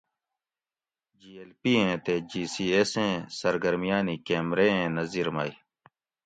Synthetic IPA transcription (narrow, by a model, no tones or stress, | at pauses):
d͡ʒiːelpiːɦẽːt̪eːd͡ʒiːsiːesẽːsəɾɡəɾmijaːniːkeːmɾeːɦẽːnəziːɾmaːi